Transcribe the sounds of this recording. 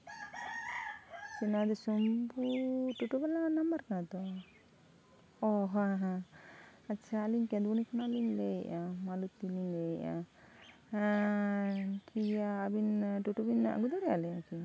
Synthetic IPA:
sinad̪esɔmbuʈuʈubalanambaɾkãt̪ɔ | ɔɦaɦa | aːʃʰaːlinkɛ̃d̪bunikʰɔnaːlinleʔamalut̪ːilinlejʔa | kʰijaːbinʈuʈubina̰ɡud̪aɾia̰lɛaki

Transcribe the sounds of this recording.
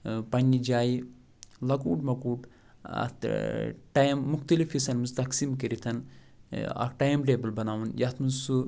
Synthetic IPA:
pɐnʲːid͡ʒaːji | lɐkuːʈmɐkuːʈ | ɐ̰t̪ʈajmːuxt̪ɐlifisɐnmuzt̪ɐksimkiɾit̪ʰɐn | ɐ̰kʈaːjmʈeːbɐlbɐnaːʋunjɐt̪ʰmunsu

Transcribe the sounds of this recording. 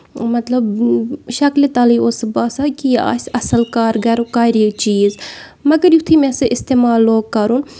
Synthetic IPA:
mɐt̪lɐbʃɐklit̪ɐliosbaːsakia̰ːsɐsəlkaːɾɡɐɾkaːɾit͡ʃiːz | mɐɡɐɾjut̪ʰimɛ̃sɨʔɪst̪eːmaːlːoːɡ̚kɐɾun

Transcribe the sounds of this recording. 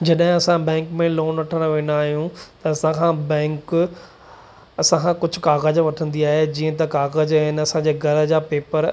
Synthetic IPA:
d͡ʑɐɗɦɪ̃ɐsãbɛ̃ːŋkmẽloːnʋɐʈʰəɽ̃ʋẽːnd̪aːɦijũt̪ɐɐsãkʰãːbɛ̃ːŋk | ɐsãkʰãkʊd͡ʑʱʊ̆kaːɣəd͡ʑʋɐʈʰə̃nd̪iaːɦed͡ʑiːə̃t̪ɐkaːɣəd͡ʑɪnɐsãd͡ʑeːɡʱɐɾə̆d͡ʑaːpeːpəɾ

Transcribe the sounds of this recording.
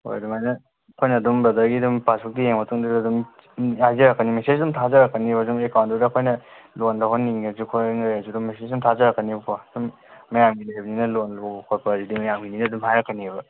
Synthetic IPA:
ho̰jdumajnɐ | kʰojnɐːdumbɐdɐɾɡidumpasʰuk̚dijeŋmɐtuŋdɯddum | ajzɐɾakːanimesesdumtʰazaɾakːɐnibzumekawntɔdɐkʰojnɐ | lonlakʰonːiŋezukʰoŋajazudumːesesdumtʰazaɾakːənibpʰozumː | ɐjamɡinibɐninɐlonbkʰoɾpɐzidimɐjamɡininɐːdumɦajɾakːanibɐ

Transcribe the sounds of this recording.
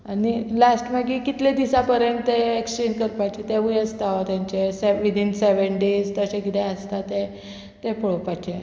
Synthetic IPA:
anilasʈmaɡikit̪led̪isapəɾjəɳʈt̪eekst͡ɕenkəɾpajt͡ɕet̪eʋujəst̪aʋat̪jãɲt͡ɕeseʋid̪ʱinseʋəɳɖezt̪əɕẽkit̪ʰeəst̪at̪e | t̪epɔɭpajt͡ɕe

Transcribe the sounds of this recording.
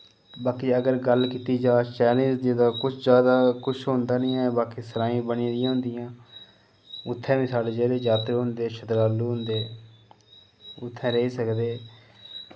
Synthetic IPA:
baːkiːəɡəɾɡəlkiːt̪iːd͡ʒaːt͡ʃɛːlẽːd͡ʒd̪id̪aːkʊt͡ʃʰd͡ʒjaːd̪aːkʊt͡ʃʰɦond̪aːnɪ̃ːɛbaːkiːsəɾaːĩːbənĩːd̪ɪjãːɦʊ̃nd̪ɪjãː | ʊt̪ʰːɛ̃ːʋĩːsaːɖeːd͡ʒeːd̪eːd͡ʒaːt̪ɾeːɦʊnd̪eːʃʰəd̪ɾaːluːɦʊnd̪eː | ʊt̪ʰːɛ̃ːɾəɦiːsəkd̪eː

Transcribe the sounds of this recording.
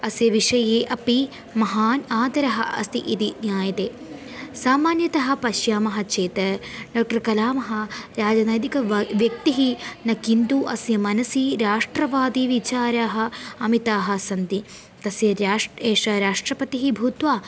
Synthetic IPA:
ɐsjɐʋiʂɐjeːʔɐpi | mɐɦaːnaːd̪ɐɾɐɦɐ̰̆ɐ̰st̪iʔit̪injaːjɐt̪eː | saːmaːnjɐt̪ɐɦɐ̆pɐʃjaːmɐɦɐ̆t͡ʃeːt̪ɐɖoːk̚ʈɐɾkɐlaːmɐɦɐ̆ɾaːd͡ʒɐnɐjd̪ikɐʋjɐk̚t̪iɦinɐkint̪uʔɐsjɐmɐnɐsiɾaːʂʈɾɐʋaːd̪iʋit͡ʃaːɾaːɦɐ̆ɐmit̪aːɦɐ̆sɐnt̪i | t̪ɐsjɐɾaːʂeːʂɐɾaːʂʈɾɐpɐt̪iɦibʱuːt̪ʋaː

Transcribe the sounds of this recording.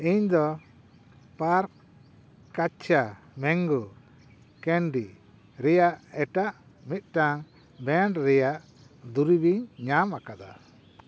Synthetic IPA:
iɲd̪ɔ | paɾk | kːat͡ʃʰa | mɛŋɡu | kɛnɖi | ɾɛjaʔɛʈaʔ | mit̪̚ˀʈaŋ | bɛɳʈɾɛjaʔ | d̪uɾibiɲɲamakad̪a̰

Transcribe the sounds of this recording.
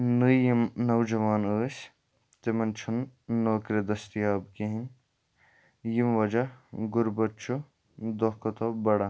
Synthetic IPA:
nɨjimnɐwd͡ʒɐʋaːnəːsʲ | t̪emɐnt͡ʃʰunːoːkɾɐd̪ɐst̪ijaːbkiɦin | jimʋɐd͡ʒɐɡʊɾbɐt͡ʃʰu | d̪oɦkɐt̪obɐɽɐ

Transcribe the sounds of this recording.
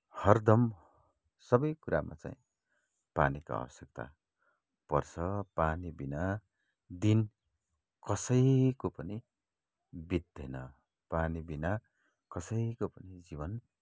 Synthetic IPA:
hʌrd̪ʌm | sʌbʌjkuɾʔa̰ma̰t͡sã̰ĩ | pa̰nika̰ʌ̰wʌsjek̚t̪a̰ | pʌrt͡sʰʌpanibina | d̪in | kʌsʌjkopʌni | bid̪̚d̪ʌjnʌ | panibina | kʌsʌjkopʌnid͡zibʌn

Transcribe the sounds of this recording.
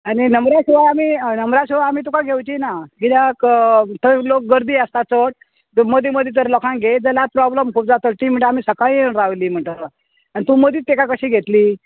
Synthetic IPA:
añinəmɾjaɕiʋaamiːnəmɾjaɕuʋaamiːt̪ukaɡʱewt͡ɕinaɡid̪jakt̪əlok̚ɡəɾd̪iːəst̪at͡səʈ̚ | məd̪ʱiməd̪ʱjet̪əɾlɔkʰãŋɡʱed͡zəlapɾɔbləmkʰuːp̚d͡zat̪əʈiːm̤əɳʈeamiːsəkaĩɾaʋliːm̤əɳʈəɾ | anit̪ũməd̪ʱiːt̪ːekakəɕiːɡʱet̪liː

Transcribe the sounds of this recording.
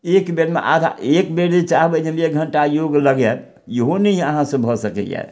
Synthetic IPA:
ekbeɾmḛʔa̰d̪ʱa̰ekbeɾit͡ʃaɦbəd͡ʒemek̚ɡʱəɳʈajoɡləɡɛ | jəɦonəiəɦãsə̃bʱɔsəkɛ̰jɛ̰

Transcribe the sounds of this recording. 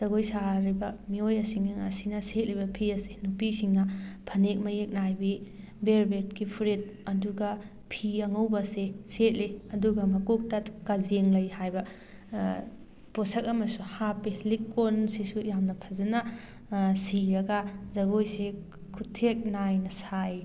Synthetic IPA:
z̥ɐɡojsaɾibɐmiojɐsiŋɐŋa̰sinɐset̚libɐpʰiɐsenupisiŋnɐpʰɐnek̚mɐjek̚najbi | beɾbet̚kipʰuɾit̚ɐduɡɐ | pʰiɐŋɐwbɐseset̚leɐduɡɐmɐkuk̚tɐkazeŋlɐjhajbɐ | posɐkɐmɐsuhapilikːonsisujamnɐpʰɐzɐnɐ | siɾɐɡɐzɐɡojse | kʰutʰːek̚najnɐsaj

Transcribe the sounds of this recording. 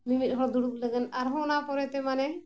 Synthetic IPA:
mimit̪̚ˀɦɔɽd̪uɽuk̚ləɡənaɾɦɔ̃napɔɾɛt̪ɛmanɛ

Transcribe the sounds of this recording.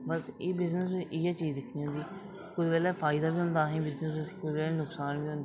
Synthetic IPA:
bəseːbɪznəsbɪɪjaːt͡ʃiːzd̪ɪkʰnĩːɦõnd̪iː | kʊd̪bɛːlɛːpʰaːɪd̪aːbiːɦʊ̃nd̪aːɦĩːbɪznəsbɪkʊd̪bɛːlɛːnʊksaːnbĩːɦʊ̃nd̪iː

